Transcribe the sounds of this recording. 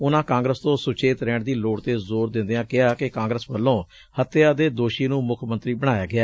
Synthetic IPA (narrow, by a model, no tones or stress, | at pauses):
ʊnãːkãːŋɡɾəst̪õːsʊt͡ʃeːt̪ɾɛːɳd̪iːloːɽt̪eːzoːɾd̪ɪ̃nd̪eãːkɪaːkɪkãːŋɡɾəsʋəlːõː | hət̪ːɪjaːd̪eːd̪oːʃiːnũːmʊkʰmə̃nt̪ɾiːbəɽ̃aːjaːɡɪaː